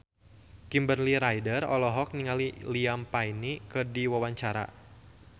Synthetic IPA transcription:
kimbərliɾajdərɔ̰lɔɦɔk̚niŋaliliampajnikɨrdiwawaɲt͡ʃaɾa̰

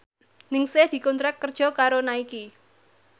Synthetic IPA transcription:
nɪŋsehd̪̥i̤kɔnt̪ɾak̚kːərd̥ʒ̥ɔ̤kaɾonaiki

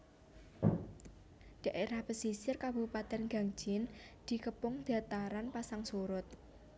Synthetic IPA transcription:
d̥a̤ʔeɾahpəsisɪrkabṳpat̪ɛnɡa̤ŋ̥d͡ʒ̥ɪnd̪̥i̤kəpʊŋd̪̥a̤t̪aɾanpasaŋsuɾʊt̪̚

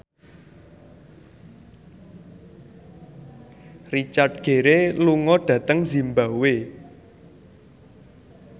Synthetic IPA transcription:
rit͡ʃart̚ɡ̥e̤ɾeluŋɔɖ̥ä̤t̪əŋzi̤mbawe

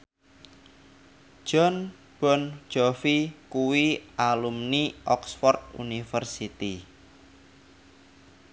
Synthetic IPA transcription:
ʒ̥ɔ̤n | b̥ɔ̤n̥d͡ʒ̥ɔfikuwiʔalumniʔɔksfɔrt̪̚ṵnifərsit̪i

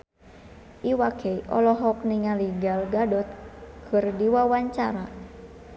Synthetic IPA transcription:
ʔiwakʰɛiʔɔ̰lɔɦɔk̚niŋaliɡalɡadɔt̪̚kʰɨrdiwawaɲt͡ʃaɾa

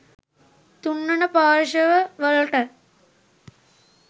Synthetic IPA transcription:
t̪uɳːɐnɐpaːɾʃɐʋɐʋəlʈɐ

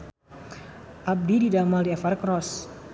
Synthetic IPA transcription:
ʔab̚dididamaldiɛfarkɾɔs

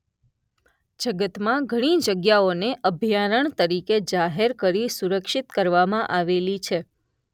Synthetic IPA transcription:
d͡ʒəɡət̪mãɡʱəɽ̃id͡ʒəɡjaoneʔəbʱjaɾəɳt̪əɾiked͡ʒaɦeɾkəɾisuɾəkʃit̪kəɾʋamãʔaʋelit͡ʃʰe

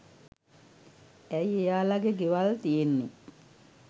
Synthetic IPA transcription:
æjejaːlaɡeɡeʋalt̪ijenːe

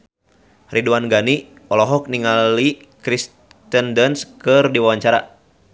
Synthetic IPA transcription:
rʔiduanɡani | ɔlɔɦɔk̚niŋali | kɾis | t̪əndənskɨrdiwawaɲt͡ʃaɾa̰

